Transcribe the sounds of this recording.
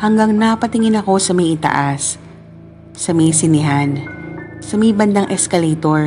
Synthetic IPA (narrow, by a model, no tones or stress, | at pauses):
hɐŋɡaŋnapɐt̪ɪŋɪnɐko̞sɐmɐjʔɪt̪ɐ̰ʔas | ɐmɐjsɪnɪɦansɐmɐjbɐnd̪aŋʔɛskɐlejt̪oɹ